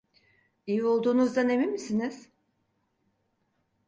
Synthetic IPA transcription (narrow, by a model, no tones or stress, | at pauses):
ijio̞lˠd̪uːnuzd̪anemimisiniz̥